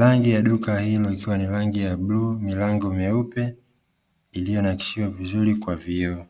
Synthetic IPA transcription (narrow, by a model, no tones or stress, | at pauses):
laŋɡijaɗukahilɔikiwanilaŋɡijabluːmilaŋɡɔmɛupɛ | ilijɔnaki̥siwavizuɾikwaviɔ